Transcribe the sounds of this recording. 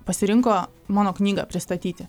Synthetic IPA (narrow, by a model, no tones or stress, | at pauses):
pɐsʲɪɾʲɪŋkoː | mɑːnoːknʲiːɡɐ̰pʲɾʲɪst̪ɐt̪ʲiːt̪ʲɪ